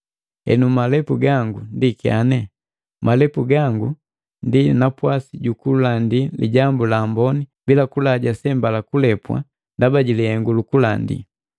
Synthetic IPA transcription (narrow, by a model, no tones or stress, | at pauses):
ɛ̰numalɛpuɡaŋɡundikia̰nɛ | mʔalɛpuɡaŋɡu | ndinapwasiɟukulandilḭɟambulaːmbɔnibilakulaɟasɛmbalakulɛpwa̰ | ndabaɟilɛhɛŋɡulukula̰ndḭ